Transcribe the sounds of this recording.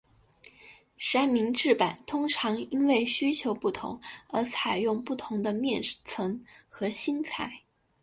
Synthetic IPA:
ʂa˥nmi˧˥ŋʈ͡ʂɻ̩˥˩pa˨˩nt̪ʰʊ˥ŋʈ͡ʂʰɑ˧˥ŋi˥nwe˥˩ɪɕy˥t͡ɕʰjo˧˥ʊpu˥˩t̪ʰʊ̰˧˥ŋə˞˧˥t͡sʰa˨˩ɪjʊ˥˧ŋpu˥˩t̪ʰʊ˧˥ŋd̪ə˧mjɛ˥˩nt͡sʰɤ˧˥ŋxɤ˧˥ɕi˥nt͡sʰa̰˨˧˩ɪ

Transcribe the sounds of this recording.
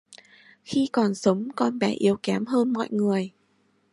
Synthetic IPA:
xi˧kɔ˨˩nsə˨˦wŋ͡mkɔ˧nɓɛ˨˦ʔi˨˦əwkɛ˨˦mɦəː˧nmɔ̰˧˨jŋɨ˨˩əj

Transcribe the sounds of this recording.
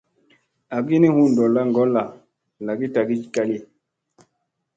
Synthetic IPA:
a˨ɡi˦ni˦hũ˦n˨dɔ˨la˦ŋɡɔ˦la˨ | la˨ɡi˦ta˨ɡi˦d͡ʒka˦li˦

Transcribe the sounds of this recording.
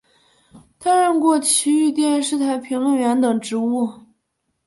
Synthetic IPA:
t̪ʰa˥ɻə˥˧nkwɔ˥˩t͡ɕʰi˧˥y˥˧t̪jɛ˥˧nʂɻ̩˥˩t̪ʰa˧˥ɪpʰi˧˥ŋlə˥˧nɥɛ˧˥nt̪ɤ˨˩ŋʈ͡ʂɻ̩˧˥u˥˩

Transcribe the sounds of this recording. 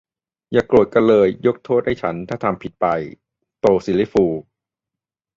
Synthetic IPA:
jaː˨˩klu˨˩ə˩t̪̚ka˧nlɤː˧jːo˦˥k̚t̪ʰoː˥˩t̪̚ha˥˩jt͡ɕʰa˦˥nt̪ʰaː˥˩t̪ʰa˧mpʰi˨˩t̪̚pa˧j | t̪oː˧siː˨˦li˦˥fuː˧

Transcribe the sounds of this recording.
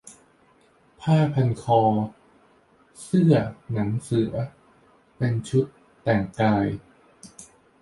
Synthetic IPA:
pʰaː˥˩pʰa˧nkʰɔː˧ | sɯ˥˩ɐna˩˦ŋsɯ˩˦ɐ | pe˧nt͡ɕʰu˦˥t̪ːɛː˨˩ŋkaː˧j

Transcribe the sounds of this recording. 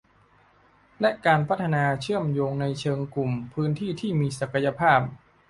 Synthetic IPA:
lɛ˦˥ʔkaː˧npʰa˦˥t̪ʰːa˧naː˧t͡ɕʰɯ˥˩əmjoː˧ŋna˧jt͡ɕʰɤː˧ŋklu˨˩mpʰɯː˦˥nt̪ʰiː˥˩t̪ʰiː˥˩miː˧sa˨˩ka˧ja˧pʰaː˥˩p̚

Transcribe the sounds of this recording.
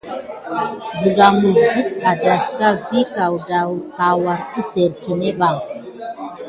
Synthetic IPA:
zi˨ɡa˨mu˨zzi˦ta˨da˨ska˦vi˦ka˨wda˨wka˨wa˨ɾi˦se˨ɾki˨ne˦ɓa˨ŋ

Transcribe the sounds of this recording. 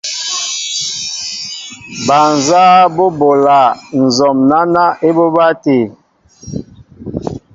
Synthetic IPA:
ba˨n˨zaː˦bo˦bo˨la˨n̩˨zɔ˨mna˦na˦ʔe˦bo˦ba˦te˨

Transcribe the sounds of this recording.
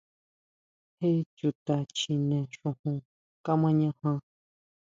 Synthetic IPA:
he˦t͡ʃu˧t̪a˧t͡ʃi˧nẽ˨ʂũ˧hũ˧ | ka˦mã˦ɲã˧hã˧

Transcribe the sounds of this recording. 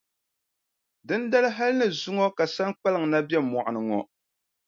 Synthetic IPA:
dɨ˦n˦da˦lɨ˦ɦa˦lnɨ˨zʊ˦ŋɔ˦ka˨sa˦nk͡pa˦lɨ˨ŋ̩˨na˦bjɛ˦˨mɔ˨ʔa˨nɨ˨ŋɔ˨

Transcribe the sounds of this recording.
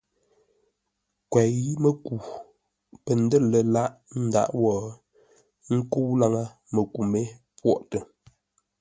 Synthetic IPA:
kwɛ˨ɣi˦mə˦ku˨ | pə˨n̩˦də˦˨lə˨la˦ʔn̩˦da̰˦ʔwɔː˨ | ŋ̩˦ku˦wla˦ŋa˦ | mə˨ku˨me˦ | pwɔ˦ʔtə˨

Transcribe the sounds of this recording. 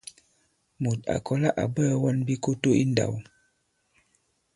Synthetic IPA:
mu˨t̚a̰˨kɔ˦la˦ʔa̰˨bə˦wɔ˦nbi˦ko˦to˦i˦nda̰˨w

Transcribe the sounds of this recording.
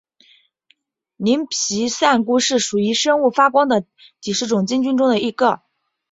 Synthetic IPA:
ni˧˥npʰi˧˥sa˥˧nku˥ʂɻ̩˥˩ʂu˨˩i˧˥ʂɤ˥ŋu˥˩fa˥kwɑ˥ŋd̪ə˨ | t͡ɕi˨˩ʂɻ̩˥˩ʈ͡ʂʊ˨˩ŋt͡ɕi˥ŋt͡ɕy˥nʈ͡ʂʊ˥ŋd̪ə˨i˧˥ɡə˥˩

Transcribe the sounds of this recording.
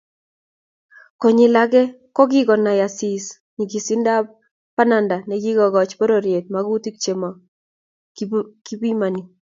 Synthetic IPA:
kɔ˨ɲɪ˨la˦kɛ˦ | kɔ˦k̬i˦kɔ˨na˨ja˨si˨s | ɲi˨ki˨si˦nda˦p | pa˦na˨nda˨nɛ˨ki˦ɡɔ˨ɣɔ˨t͡ʃpɔ˦ɾo˨ɾje˨t̚ma˨ku˦ti˦k̚t͡ʃe˨mɔ˨ | kki˦bi˦ma˨ni˨

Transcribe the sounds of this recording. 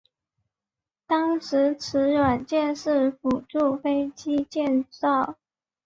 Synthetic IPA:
t̪ɑ˥ŋʂɻ̩˧˥ʈ͡ʂʰɻ̩˧˥ɻwa˨˩nt͡ɕjɛ˥˧nʂɻ̩˥˩fu˨˩ʈ͡ʂu˥˩fe˥ɪt͡ɕi˥t͡ɕjɛ˥˧nʈ͡ʂɑ˥˩ʊ

